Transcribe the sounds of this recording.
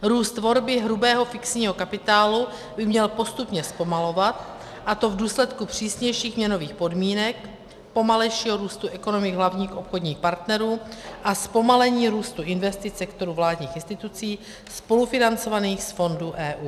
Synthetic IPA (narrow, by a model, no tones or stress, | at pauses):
ɾuːst̪vo̞ɾbɪɦɾubɛːɦo̞fɪksɲiːɦo̞kapɪt̪aːlu | bɪmɲɛlpo̞st̪upɲɛspo̞malo̞vat̪ | ʔat̪o̞vduːslɛt̪kupr̝̥iːsɲɛjʃiːxmɲɛno̞viːxpo̞dmiːnɛk̚ | po̞malɛjʃiːɦoɾuːst̪uʔɛko̞no̞mɪɡɦlavɲiːxʔo̞pxo̞dɲiːxpaɾt̪nɛɾuːʔaspo̞malɛɲiːɾuːst̪uʔɪnvɛst̪ɪt̪sɛkt̪o̞ɾuːvlaːdɲiːxɪnst̪ɪt̪ut͡siː | spo̞lufɪnant͡so̞vaniːxsfo̞nduʔɛːʔuː